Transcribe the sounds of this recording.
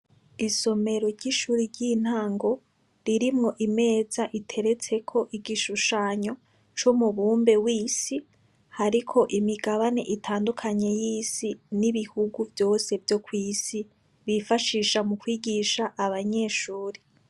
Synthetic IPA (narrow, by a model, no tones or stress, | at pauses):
iso̞me̞ɾo̞ɾɟiʃuːɾiɾɟin̥haːŋɡo̞ | ɾiɾimŋo̞ʔime̞ːzaʔitʰe̞ɾe̞t͡se̞kʰo̞ʔiɡiʃuʃaːɲo̞ | t͡ʃumuβuːmbe̞wiːsi | haɾikʰo̞ʔimiɡaβane̞̰ʔitʰaːndukʰaɲe̞jiːsiniβihuɡuvjo̞ːse̞vjo̞kwiːsi | βifaʃiːʃamukwiːɡiʃaʔaβaɲe̞ʃuːɾe